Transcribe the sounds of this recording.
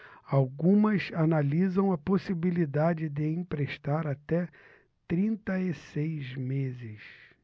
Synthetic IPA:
awɡũmɐzanalizɐ̃w̃ɐposibilid̪ad͡ʒɪd̪ɪĩpɾeʃt̪aɾat̪ɛ | t̪ɾĩnt̪ɐɪsejzmezɪs

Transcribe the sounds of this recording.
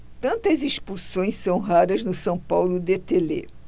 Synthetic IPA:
t̪ɐ̃nt̪ɐziʃpusõj̃sɐ̃w̃ɦaɾɐznʊsɐ̃w̃pawlʊd̪et̪elḛ

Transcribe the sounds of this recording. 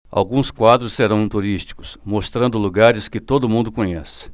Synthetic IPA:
a̰wɡũskwad̪ɾʊsseɾɐ̃w̃ĩt̪uɾist͡ʃi̥kʊ̥smost̪ɾɐ̃nd̪ʊluɡaɾɪskɪt̪od̪ʊmũnd̪ʊkõɲɛsɪ̥

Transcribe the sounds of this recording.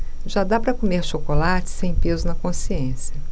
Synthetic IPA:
ʒad̪apɾɐkomeɾʃokolat͡ʃɪ̥sẽj̃pezʊnɐkõsiẽsjɐ

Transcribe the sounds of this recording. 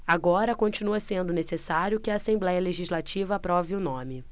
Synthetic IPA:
aɡɔɾɐkõt͡ʃinuɐsẽnd̪ʊnesesaɾjʊkɪaːsẽblɛjɐleʒizlat͡ʃivɐːpɾɔvɪʊnõmɪ

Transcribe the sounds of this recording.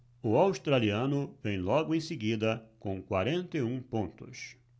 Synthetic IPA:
ʊawst̪ɾaliɐ̃nʊvẽj̃lɔɡʊẽj̃sɪɡid̪ɐkõkwaɾẽnt̪eũpõnt̪ʊs

